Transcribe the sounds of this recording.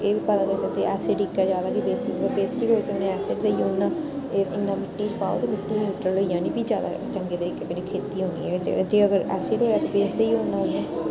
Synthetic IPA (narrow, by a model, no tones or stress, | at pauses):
eːʋiːpət̪aːkəɾsək̚d̪eːʔɛːsɪʈikɛːd͡ʒjaːd̪aːkibeːsiəbeːsiːɦoːeːt̪eʊnẽːɛːsɪʈd̪eiːoːnːãː | eːɪnːãːmɪʈːiːt͡ʃpaːo̰t̪eːmɪʈːliːiʈːəloijãːnĩːbiːd͡ʒjaːd̪a̰ːt͡ʃəŋɡeːt̪əɾiːkeːkəneːkʰeːt̪iːɦõːniːɛːd͡ʒ̰d͡ʒeːəɡəɾɛːsɪʈɦoːɛːt̪ebeːsd̪eiːoːnːaːɦõːnɛː